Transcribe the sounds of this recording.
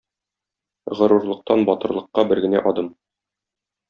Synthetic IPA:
ʁɤ̆ɾuɾlˠɤ̆q̚t̪ɑnbɒt̪ɤ̆ɾlˠɤ̆qːɑbɘɾɡɘ̆næ̰ʔɒd̪ɤm

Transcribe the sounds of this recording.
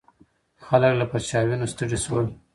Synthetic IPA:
xaləklapaɾt͡ʃɑwinost̪əʐiswəl

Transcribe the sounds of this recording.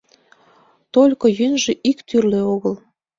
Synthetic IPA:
t̪olʲkojynʒeʔikt̪yrleoɣəl

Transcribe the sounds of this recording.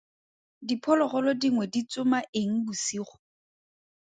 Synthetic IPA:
dipʰɔlɔχɔlɔdiŋwɛdit͡sʼʊmaʔeŋ̩busiːχʊ̥

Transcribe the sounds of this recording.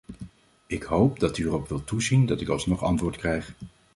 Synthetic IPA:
ɪkɦowp̚dɑtyərɔpʋɪlˠtuzindɑtɪkɑlˠsnɔχɑ̰ntʋʊːɹtkrɛjχ

